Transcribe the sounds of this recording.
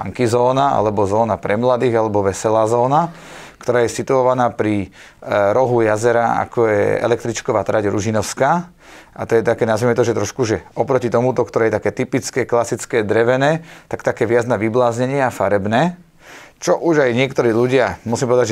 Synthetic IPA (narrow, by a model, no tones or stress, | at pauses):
a̰ŋkizɔːnaa̰lɛbɔzɔːnapɾɛmlad̪iːɣalɛbɔʋɛsɛlaːzɔːna | kt̪ɔɾaːjɛsit̪uɔʋanaːpɾi | ɾɔɦujazɛɾaa̰kɔjɛ̰ɛ̰lɛk̚t̪ɾit͡ʃkɔʋaːt̪ɾaɟɾuʒinɔʊskaː | ʔat̪ɔjɛt̪akɛːnazʋiːmɛt̪ɔʒɛt̪ɾɔʃkuʒɛʔɔpɾɔcit̪ɔmut̪ɔkt̪ɔɾɛːjɛt̪akɛːt̪ipit͡skɛːklasit͡skɛːd̪ɾɛʋɛnɛːt̪akt̪akɛːʋɪad͡znaʋiblaːzɲɛɲɪɛafaɾɛbnɛː | t͡ʃɔʔuʒajɲɪɛkt̪ɔɾiːʎuɟɪamusimpɔʋɛd̪ad͡ʒʒɛ